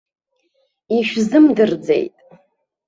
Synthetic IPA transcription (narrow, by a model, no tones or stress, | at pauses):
iʃᶣzɨmdɨrd͡zḛjtʼ